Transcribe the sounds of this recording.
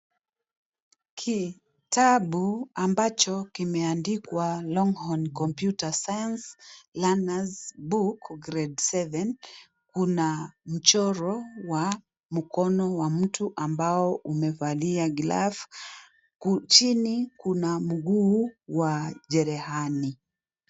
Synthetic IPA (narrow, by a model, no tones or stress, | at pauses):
kʰi | taɓuambat͡ʃɔkimɛandikwalɔŋhɔnkɔmpjutasajanslanazbukɡɾɛdsɛvɛn | kunam̩t͡ʃɔɾɔwa | m̩kɔnɔwam̩tuʔambaɔʔumɛvaliaɡla̰f | kut͡ʃinikunam̩ɠuːwaʄɛɾɛhani